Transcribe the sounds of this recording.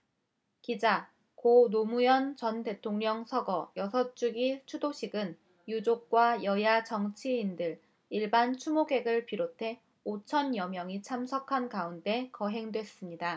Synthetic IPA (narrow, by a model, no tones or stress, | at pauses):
kid͡ʑa | konomujʌnt͡ɕʌnte̞tʰoŋɲʌŋsʰʌɡʌjʌsʰʌt͡ɕ͈uɡit͡ɕʰudoɕʰiɡɯn | jud͡ʑok̚k͈wajʌjat͡ɕʌŋt͡ɕʰiːndɯɾ | iɭbant͡ɕʰumoɡe̞ɡɯɭpiɾotʰe̞ | ot͡ɕʰʌnjʌmjʌŋit͡ɕʰamsʰʌkʰankaunde̞kʌɦe̞ŋdwe̞s͈ɯmɲida